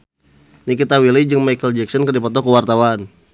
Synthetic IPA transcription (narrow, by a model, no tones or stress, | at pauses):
nikit̪awilid͡ʒəŋmajkəld͡ʒɛksɔnkərdipɔt̪ɔkəwart̪awan